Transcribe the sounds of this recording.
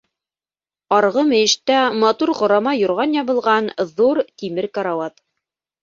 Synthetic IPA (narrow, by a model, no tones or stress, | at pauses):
ɑɾʁɤmɘ̆jɘ̆ʃt̪æmɑt̪uɾʁŏɾɑmɑjŏɾʁɑnjɑβɤ̆lˠʁɑnðuɾt̪imɘɾkɑɾawɑt̪